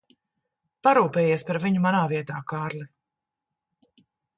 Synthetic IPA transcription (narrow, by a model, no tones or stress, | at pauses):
paɾuːpɛːjeɛspaɾviɲumanaːviɛt̪aːkaːɾlʲi